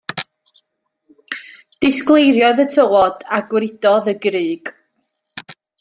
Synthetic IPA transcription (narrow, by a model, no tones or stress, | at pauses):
d̥ɪsklˠejɾjɔðətʰəwɔdaɡwɾɪd̥ɔðəɡrɨːɡ̥